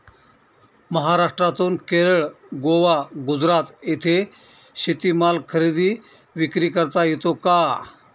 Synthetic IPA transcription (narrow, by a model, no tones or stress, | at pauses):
məɦaɾaʂʈɾat̪uːnkeɾəɭ | ɡoʋaɡud͡zɾat̪et̪ʰe | ɕit̪iːmalkʰəɾid̪iː | ʋikɾiːkəɾt̪ajet̪oka